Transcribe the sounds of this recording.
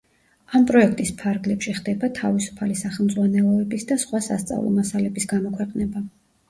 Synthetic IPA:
ampʼɾɔɛk̚ʰt̪ʼispʰaɾɡlɛpʃiχd̪ɛbat̪ʰavisu̥pʰalisaχɛlmd̪zʁwanɛlˠɔɛbisd̪asχwasa̰st̪sʼa̰vlˠɔ̰masalɛbisɡamɔkʰwɛqʼnɛba

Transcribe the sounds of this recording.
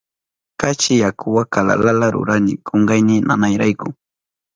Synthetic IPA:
kat͡ʃɪjakʰʊwakala̰lalaɾʊ̰ɾanɪkʰoɴɢɑjnɪnanajɾajkʊ

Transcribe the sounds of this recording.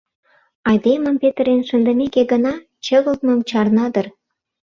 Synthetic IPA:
ɑjd̪emə̆mpet̪əɾenʃənd̪ə̆mekeɡə̆nɑ | t͡ɕə̆ɣə̆lt̪̚məmt͡ɕɑrnɑd̪ə̆r

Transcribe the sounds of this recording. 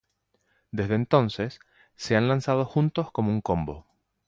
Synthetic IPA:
d̪e̞zðeːnt̪o̞nse̞sː | e̞anlansað̞o̞xunt̪o̞sko̞mouŋko̞mbo̞̰

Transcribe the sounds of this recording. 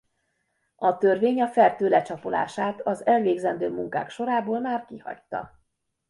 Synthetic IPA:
ɒt̪ørveːɲɒfɛrt̪øːlɛt͡ʃɒpola̰ːʃaːt̪ɒzɛlveːɡzɛnd̪øːmuŋka̰ːkʃo̞ɾaːboːlmaːrkihɒ̰ct̪ːɒ̰

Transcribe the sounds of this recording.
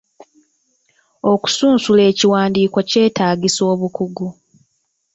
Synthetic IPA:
o̞ku̥suːnsule̞ːciwaːndiːkwoce̞ːtaːɟiso̞ːβukuɡu

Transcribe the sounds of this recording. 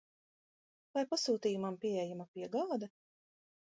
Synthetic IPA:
vajpasuːt̪iːjumampiɛɛjamapʲiɛɡald̪ɛ

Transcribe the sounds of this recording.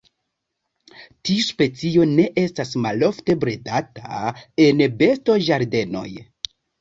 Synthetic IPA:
tiuspe̞t͡sio̞ne̞ʔe̞stasmalo̞fte̞bɾedatae̞nbe̞sto̞ʒaɾde̞no̞̰j

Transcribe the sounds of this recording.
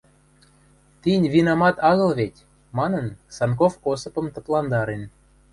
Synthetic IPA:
t̪inʲvinɑmɑt̪ɑɣɤ̆lβet̪ʲ | mɑnənsɑnkofkosɤ̆pɤ̆mt̪ə̆plˠɑnd̪ɑɾen

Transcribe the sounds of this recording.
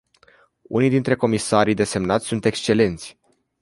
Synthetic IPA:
unijd̪int̪ɾe̞ko̞misaɾijd̪e̞se̞mnat̪sʲsunt̪e̞kst͡ʃe̞le̞nt̪sʲ

